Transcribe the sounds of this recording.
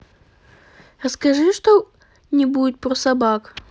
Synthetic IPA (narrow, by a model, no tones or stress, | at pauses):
ɾəskɐʐɨʂt̪o | nʲɪbudʲɪt̪̚pɾosɐbak